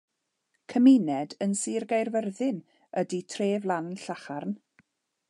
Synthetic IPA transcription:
kʰəmɪnɛdənsiːrɡajrvərðɪn | əditʰreːvlˠanɬaχarn

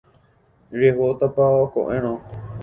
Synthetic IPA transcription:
ɾeɦot̪apaokõ̰ʔẽɾ̃õ

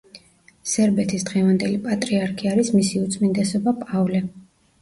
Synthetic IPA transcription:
sɛɾbɛt̪ʰisd̪ʁɛvand̪ɛlipʼat̪ʼɾiaɾkʰiaɾismisiut̪sʼmind̪ɛsɔbapʼavlɛ

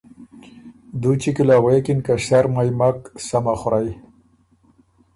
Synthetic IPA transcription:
d̪ut͡ʃikilaːwekinkaʂaɾmajmaksamaxʊɾaj

